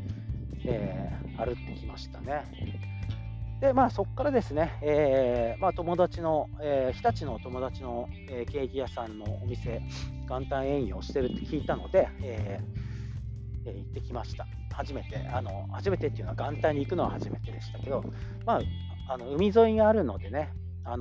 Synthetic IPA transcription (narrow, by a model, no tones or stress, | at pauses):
eː | aɾɯ̟t̪ːe̞kʲimaɕi̥t̪ane̞ | d̪̥e̞maːso̞kːaɾad̪e̞sɨne̞eːmaːt̪o̞mo̞d̪at͡ɕino̞eːçi̥t̪at͡ɕino̞t̪o̞mo̞d̪at͡ɕino̞ | eːke̞ːɡʲijasãnːo̞ːmʲise̞ɡ̥ãnt̪ãɰ̃ẽ̞ɰ̃ĩo̞ɕi̥t̪e̞ɾɯ̟t̪ːe̞̥kʲiːt̪ano̞̰d̪e̞eː | eːit̪ːe̞kʲimaɕi̥t̪a | haʑime̞t̪e̞̰ano̞̰haʑime̞t̪e̞t̪ːeiɯ̟naɡãnt̪ãɲ̟iːkɯ̟no̞βa̰haʑime̞t̪e̞d̪e̞ɕi̥t̪ake̞d̪o̞ | maː | ano̞ɯ̟mʲizo̞iɡaːɾɯ̟no̞d̪e̞ne̞ | an